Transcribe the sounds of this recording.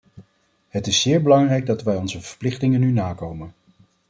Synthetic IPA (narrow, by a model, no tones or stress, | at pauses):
ɦətɪsːɪːɹbəlɑŋrɛjɡ̚dɑtʋɛjɔnzəvəɹplɪχtɪŋənynaːkowmən